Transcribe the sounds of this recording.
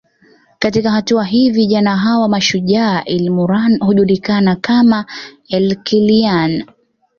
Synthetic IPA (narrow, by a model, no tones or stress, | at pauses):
katikaɦatuaɦiviʄanaɦawamaʃuʄaːʔilimuɾanhuʄuɗikanakama | ɛlkilian